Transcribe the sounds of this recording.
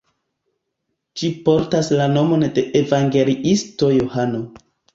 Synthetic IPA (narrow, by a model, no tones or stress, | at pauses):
d͡ʒipo̞ɾtaslano̞mo̞nde̞ʔevaŋɡe̞liisto̞johano̞